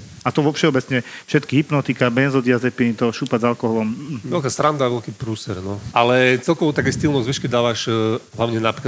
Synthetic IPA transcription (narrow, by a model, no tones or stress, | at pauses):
at̪ɔʋɔfʃɛɔbɛt͡sɲɛfʃɛt̪kiɦipnɔt̪ikabɛnzɔd̪iazɛpinit̪ɔʃuːpazalkɔɦɔlɔm̩ʋɛlkaːsɾand̪aːʋɛlkiːpɾuːsɛɾnɔʔalɛt͡sɛlkɔʋɔt̪akɛːst̪ilnɔzʋiʃkid̪aːʋaʃɦlaʊɲɛnapɾik